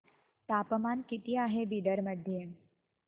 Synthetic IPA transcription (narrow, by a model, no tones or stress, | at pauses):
t̪apəmankit̪iːaɦebiɖəɾməd̪ʱːje